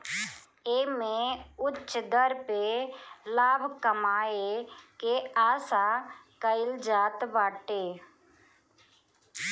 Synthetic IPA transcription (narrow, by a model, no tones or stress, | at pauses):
eːmẽʊt͡ʃːd̪əɾpelaːbʱkəmaːekeaːsãːkəɪld͡ʒaːt̪baːʈeː